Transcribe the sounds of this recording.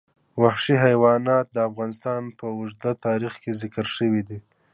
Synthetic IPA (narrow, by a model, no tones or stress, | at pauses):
waxʃiɦajwɑnɑt̪̚d̪əafɣɑnɪst̪ɑnpəʊʒd̪at̪ɑɾixkezɪkɾʃəwid̪i